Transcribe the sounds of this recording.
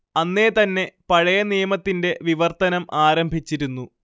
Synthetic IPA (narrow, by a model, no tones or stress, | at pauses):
ɐnːe̞ːt̪ɐnːe̞pɐɻɐjɐnijɐmɐt̪ːinde̞ʋiʋɐrt̪ɐnɐmʔaːɾɐmbʱit͡ɕːiɾunːu